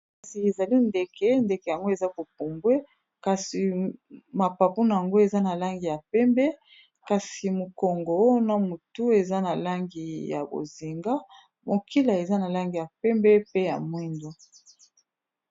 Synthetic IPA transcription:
ka˨si˨e˨za˨li˦nde˨kɛ˦nde˨kɛ˨ja˨ŋɡo˦e˨za˦ko˨p̚u˨mbwe˦ | ka˨si˨ma˨pa˨pu˦na˨ja˨ŋɡo˦e˨za˦na˨la˦ŋɡi˨ja˨pɛ˦mbɛ˦ | ka˨si˨mo˨ko˨ŋɡo˨˦na˨mu˨tu˦e˨za˦na˨la˦ŋɡi˨ja̰˨bo̰˨zi˨ŋɡa˦ | mo˨kʰi˦la˨e˨za˦na˨la˦ŋɡi˨ja˨pɛ˦mbɛ˦pe˦ja̰˨mwi˦ndo˦

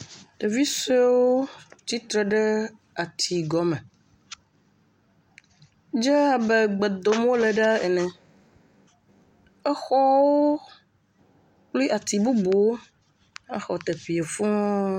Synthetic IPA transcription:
ɖe˨vi˦se˦wo˦t͡ʃi˦t̪ɾɛ˨ɖɛ˦ | a˨t̪ʰi˨ɡɔ˨mɛ̃˨ | d͡ʒɛ˦a˨bɛ˨ɡ͡be˨d̪o˨m˦wo˦le˨ɖa˦ɛ˨nɛ̃˨ | ɛ˦xɔ˦wo˦ | k͡pli˦a˨t̪i˨bu˦bo˨˦ | a˦xɔ˨t̪e˨ɸi˨e˨fũ˦

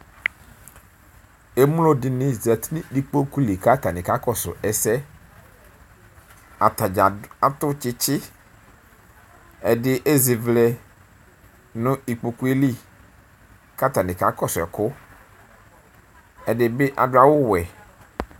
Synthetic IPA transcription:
e˦mu˦lo˦dɪ˨nɪ̃˦zɛ˨t̪nĩ˦di˦k͡po˦ku˦li˨ka˦t̪a˨nɪ̃˨ka˨˦kɔ˦sʊ̰˨ɛ˨sɛ˦ | a˨t̪a˨d͡ʒa˨a˨t̪ʊ˦t͡ʃɪ˦t͡ʃɪ˦ | ɛ˨dɪ˦ʔe˦zɪ˨vlɛ˨ | nʊ̃˦i˨k͡po˨ku˦i˦li˦ | ka˦t̪a˨nɪ̃˨ka˨kɔ˦sʊ˨ɛ̰˨kʊ˦ | ɛ˨dɪ˨˦bɪ˦ʔa˨dʊ˦a˨wʊ˦wɛ˨

